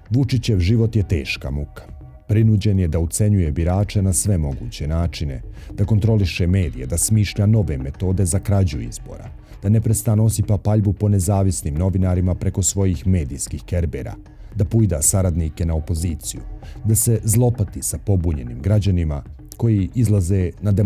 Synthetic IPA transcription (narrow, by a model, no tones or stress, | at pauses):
ʋut͡ʃit͡ɕeʋʒiʋo̞t̪jet̪e̞̰ːʃka̰mukḁ | pɾinuːd͡ʑe̞njed̪aut̪se̞ɲuje̞biɾaːt͡ʃenasʋe̞mo̞ɡṵːt͡ɕe̞naːt͡ʃine̞d̪̥ako̞nt̪ɾo̞liʃeme̞ːd̪ijed̪asmiːʃʎano̞ʋe̞me̞t̪o̞ːd̪e̞zakɾad͡ʑuḭzbo̞̰ːɾa̰ | d̪̥anepɾest̪anoosipapaʎbupo̞ne̞zaːʋisniːmno̞ʋinaɾimapɾe̞ko̞sʋo̞jixme̞ːd̪iːskixke̞ɾbḛɾa̰ | d̪apujid̪asaɾad̪nike̞nao̞po̞ziːt̪sijud̪ase̞zlˠo̞pat̪isapo̞buːɲe̞̰nḭmɡɾad͡ʑanima | ko̞jiʔizlˠaze̞nad̪e